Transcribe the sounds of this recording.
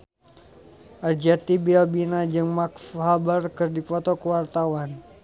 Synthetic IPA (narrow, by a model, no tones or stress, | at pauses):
ʔard͡ʒat̪ibilbinad͡ʒɨŋmakfhabarkɨrdifɔt̪ɔkəwart̪awan